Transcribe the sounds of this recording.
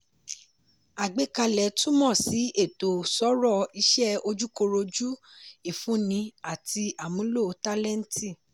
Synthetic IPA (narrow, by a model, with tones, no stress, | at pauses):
a˨ɡ͡be˨˦ka˧lɛ˨tũ˦mɔ̃˦˨si˨˦ʔe˦˨to˨sɔ˨˦ɾɔ˦˨i˧˦ʃɛ˦o˧d͡ʒu˦ko˧ɾo˧d͡ʒu˦i˦˨fũ˨˦nĩ˧a˨ti˧a˨mũ˨˦lo˦˨˧ta˦lɛ˦n̩˦ti˦˨